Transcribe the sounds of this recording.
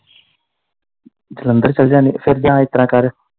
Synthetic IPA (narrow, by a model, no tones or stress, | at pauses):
d͡ʒələnd̪əɾt͡ʃəld͡ʒãːnifʰeɾd͡ʒãːɪt̪ɾãːkaːɾ